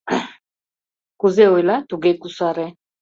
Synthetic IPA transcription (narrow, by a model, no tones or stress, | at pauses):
kuzɛwelat̪uɡekusaɾɛ